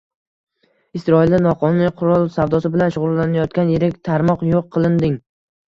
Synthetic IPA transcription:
ɪsɾɒɪld̪anɒqʰɒnʊniqʰʊɾɒlˠsavd̪ɒsɪbɪlanʃʊʁʊlˠlːanajɒt̪̚kʲanjeɾɪkʲt̪ʰaɾmɒqjoqʰːɨlˠɪnd̪ɪŋ

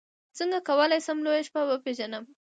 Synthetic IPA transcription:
t͡səŋɡakawəlajsamlojaʃpabəpeʒanəm

